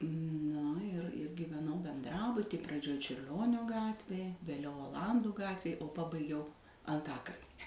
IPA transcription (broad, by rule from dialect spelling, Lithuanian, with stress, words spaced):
ˈnʊ ɪr ɪr ɡʲiːʋʲɛˈnɐʊ bʲɛnˈdrɑːbʊtʲiː prɐˈd͡ʒʲoːj t͡ʃʲʊrʲˈlʲoːnʲoː ˈɡɑːtʲʋʲeːj ʋʲeːˈlʲɛʊ oːˈlˠɐnduː ˈɡɑːtʲʋʲeːj oː ˈpɑːbɐɪɡʲɛʊ ɐnˈtɑːkɐlʲnʲɪ